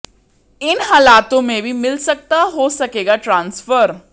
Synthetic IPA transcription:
ɪnɦaːlaːt̪õmẽbʱimɪlsɐk̚t̪aɦosɐkeːɡaʈɾãːnsfəɾ

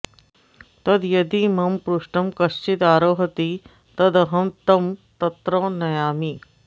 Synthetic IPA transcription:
t̪ɐd̪jɐd̪iːmɐmpɾuʂʈɐmkɐst͡ɕit̪aːɾoːɦɐt̪i | t̪ɐd̪ɐɦɐmt̪ɐmt̪ɐt̪ɾɔnɐjaːmi

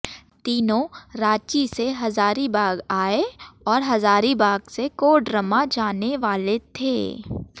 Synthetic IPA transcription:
t̪iːnõɾaːt͡ʃiseɦɐzaːɾibaːɡaːeɔːɾɦɐzaːɾibaːɡsekoːɖɾəmad͡ʒaːneʋaːlet̪ʰḛː

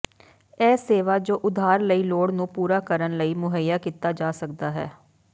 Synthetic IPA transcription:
ɛːseːʋaːd͡ʒoːʔʊd̪ʱaːɾləiːloːɽnũːpuːɾaːkəɾənləiːmʊɦəjːaːkiːt̪aːd͡ʒaːsəkd̪aːɦɛ̰ː

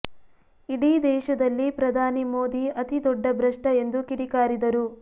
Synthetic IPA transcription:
iɽiːd̪ɛːʃɐd̪ɐlːipɾɐd̪ʱaːnimo̞ːd̪iɐt̪id̪ɔɖːɐbʱɾɐʂʈɐe̞nd̪ukiɽikaːɾid̪ɐɾu

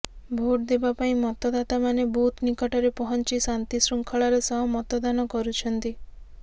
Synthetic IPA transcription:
bʱoʈ̚d̪ebapaĩmɔt̪ɔd̪at̪amanebut̪nikɔʈɔɾepɔɦɔnt͡ʃisant̪isɾuŋkʰɔɭaɾesɔɦɔmɔt̪ɔd̪anɔkɔɾut͡ʃʰɔnt̪i

